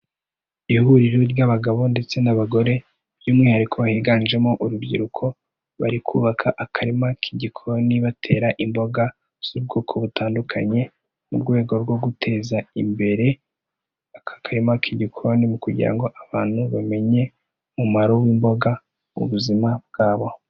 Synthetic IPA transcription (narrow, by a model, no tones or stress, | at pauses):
ihuɾiɾoɾjaβaɡaβo̞nde̞t͡se̞naβaɡo̞ɾe̞ | b̥juːmŋiːhaɾikʰo̞βahiːɡaːnʒe̞moʔuɾubɟḭɾukʰo̞ | βaɾikʰṵːβakʰaʔakʰaɾimakʰiɟikʰooniβatʰe̞ːɾaʔimbo̞ɡa | z̥ub̚ɡo̞ːkʰo̞βutʰaːndukʰa̰ɲe̞ | muɾɡwe̞ːɡo̞ɾɡwo̞ɡutʰe̞ːzaimbe̞ɾe̞ | akḁkaɾimakʰiɟikʰoɾonimukuɟḭɾa̰ŋɡo̞ʔaβaːn̥huβame̞ɲe̞ | mumaɾo̞wiːmbo̞ɡa | mṵβuzimab̚ɡ̥aːβo̞